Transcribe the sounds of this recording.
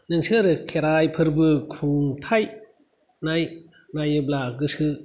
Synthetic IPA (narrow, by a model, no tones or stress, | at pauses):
nɯŋsɯɾɯkʰeɾajpʰɯɾbɯkʰuŋtʰaj | naj | najɯblaɡɯsɯ